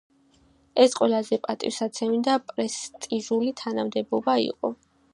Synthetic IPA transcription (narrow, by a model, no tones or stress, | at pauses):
ɛsqʼwɛlazɛpʼat̪ʼḭfsat̪sʰɛmid̪apʼɾɛst̪ʼiʒulit̪ʰanamd̪ɛbɔbaḭqʼɔ